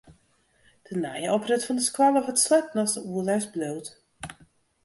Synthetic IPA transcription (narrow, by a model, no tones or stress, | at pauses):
d̥ənajəɔprətfɔndəskwalˠɔfətslɛptnɔsdəuəlɛsbloːt